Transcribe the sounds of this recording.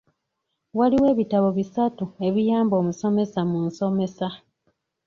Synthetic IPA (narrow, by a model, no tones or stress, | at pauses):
waliwe̞ːβitaβo̞βisatue̞βijaːmbo̞ːmuso̞me̞samuːnso̞me̞sa